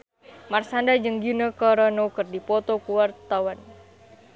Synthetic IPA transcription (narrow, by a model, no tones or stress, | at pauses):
marsandad͡ʒəŋɡinəkɔɾɔnokərdipɔt̪okuwart̪awan